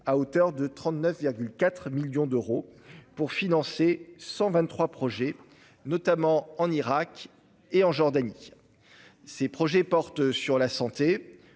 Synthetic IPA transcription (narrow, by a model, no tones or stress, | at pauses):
aot̪œʁd̪ət̪χɑ̃t̪nœfviʁɡʲylkat̪χmiljɔ̃d̪øʁopuʁfinɑ̃sesɑ̃vɛ̃t̪ːχwapχɔʒɛ | nɔt̪amɑ̃ɑ̃niʁak | eɑ̃ʒɔʁd̪ani | sepχɔʒɛpɔʁt̪syʁlasɑ̃t̪e